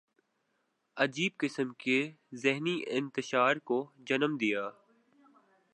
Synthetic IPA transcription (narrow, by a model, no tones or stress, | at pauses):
ɐd͡ʒiːb̚kɪsəmkezɪɦniʔɪ̰̃nt̪ɪʃaːɾkod͡ʒɐnəmd̪ijaː